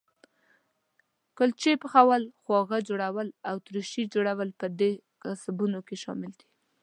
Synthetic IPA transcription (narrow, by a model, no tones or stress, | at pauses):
kʊlt͡ʃepəxawalxwɑɣad͡ʒoɽawəlawt̪ɾuʃid͡ʒoɽawəlpəd̪e | kasabunokeʃɑ̰mɪld̪i̥